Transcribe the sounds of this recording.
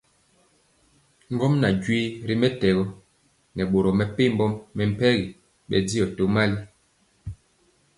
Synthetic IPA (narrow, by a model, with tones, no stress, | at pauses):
ŋ˦ɡɔ˦mna˨d͡ʒwi˦ɾi˦mɛ˦tɛ˨ɣɔ˦ | nɛ˨ɓo˨ɾɔ˨mɛ˨pe˦˨m˦bɔ˦mːɛ˨m̩˨pɛ˦ɣi˨ | ɓɛ̰˨di˦jɔ˨to˨˦ma˦li˦